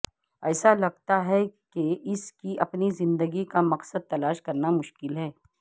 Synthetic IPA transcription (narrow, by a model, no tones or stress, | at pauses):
ɛːsalɐɡ̚t̪aɦɛkeɪskiʔɐpnizɪ̃nd̪əɡikamɐqsəd̪̚t̪ɐlaːʃkɐɾnamʊʃkɪlɦɛː